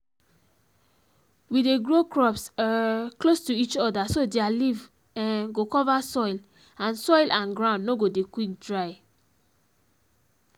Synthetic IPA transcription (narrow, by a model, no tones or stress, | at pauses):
wideɡɹokɹɔpsklostuit͡ʃɔdasodealiv | ɡokɔvasɔɪl | ãnsɔɪlʔãnɡɹãʊ̃nːnoɡodekwik̚dɹaɪ